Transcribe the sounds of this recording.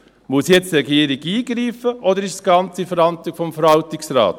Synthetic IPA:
muəsjɛt͡stɾɛɡiːəɾɪɡiːɡɾiːfəʔɔd̪əɾɪʃsɡ̥ɑnt͡sifəɾɑnt̪lɪkfɔmfəɾhɑltɪksrɑ̰ːt̪

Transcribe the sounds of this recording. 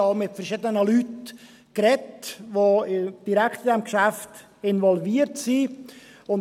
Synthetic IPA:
ɑmɪtfəɾʃɪdənəlyt | kɾɛtʋod̥iɾækʰt̪ɪdɛmkʃæft | ɪnʋɔlviːəɾtsiʊn

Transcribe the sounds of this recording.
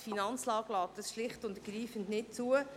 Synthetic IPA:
finɑnt͡slɑːɡlɑːt̚d̥ɑsʃlɪχtʊndəɡ̥ɾiːfəntnɪt̚t͡suə

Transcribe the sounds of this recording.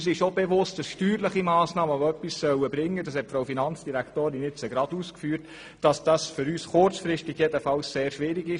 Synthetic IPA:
s̬ɪʃobeʋʊst̚d̥ɑsʃtyːɾləχimɑːsnɑːməʋoœpːissœwəbɾɪŋːədɑshɛtfɾowfinɑnt͡sd̥iɾæktoːɾɪnɪt͡səɡɾɑduːskfyːɾt | d̥ɑsd̥ɑsfʏɾyːsχʊrt͡sfɾɪʃtɪɡ̥jɛdəfɑwsseːɾʃʋɪɾiɡɪʃ

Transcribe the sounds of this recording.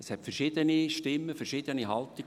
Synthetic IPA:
əshɛtfɛrʃɪd̪əniʃtɪmːəfɛɾʃɪd̪̥əniɦɑlti

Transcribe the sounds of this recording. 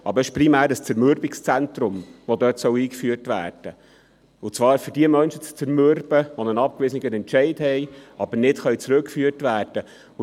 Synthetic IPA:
ʔɑbəɾɪʃpɾimæːɾəst͡sɛɾmøɾbɪkst͡sæntɾʊmʋod̪œtsœwiːkfyːəɾtʋæ̰ːɾd̥ə | ʊt͡svɑːɾfʏɾdiəmœnʃət͡st͡sɛɾmøɾb̥əʋonənɑp̚kʋɪsənɪɡənɛntt͡ʃɛɪdhɛɪɑb̥əɾnɪtχœɥt͡sɾɵkfyːərtʋæːɾd̥ə | ʊ

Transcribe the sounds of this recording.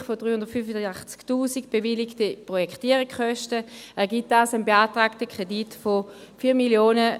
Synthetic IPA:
χfodʁyːhʊndət̪fyfəaχt͡sktuːzikb̥eviliktəpʁojɛkχtiəʁikχœʃtəɛɐʁɡit̚d̥aːsanbeaːtʁaːktəkʁ̥editfofiːɐmiljoːnə

